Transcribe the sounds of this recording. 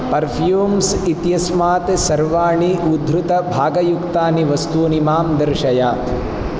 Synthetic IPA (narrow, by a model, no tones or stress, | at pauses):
pɐɾpʰjuːmsit̪jɐsmaːt̪sɐɾʋaːɳiʔud̪ʱɾut̪ɐbʱaːɡɐjukt̪aːniʋɐst̪uːnimaːmd̪ɐɾʃɐjaː